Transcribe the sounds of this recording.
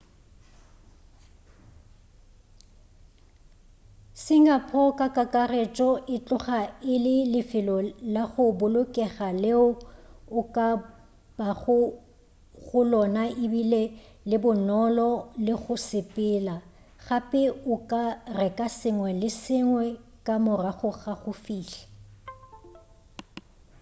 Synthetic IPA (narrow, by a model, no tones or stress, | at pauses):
sɪŋapʰɔkʼakʼakʼaret͡ʃʼɔʔɪt͡ɬʼʊχaɪlɪlɪfɪlɔlaɣʊbʊlʊkʼɛɣaleʊʊkʼa | b̥aɣʊ | ɣʊlɔnaɪbile | lɪbʊnɔlɔlɪɣʊsɪpʼɪla | ɣapʼɪʊkʼarɛkʼasɪŋwɛlɪsɪŋwɛkʼamʊraɣʊɣaɣʊfiːɬɛ̥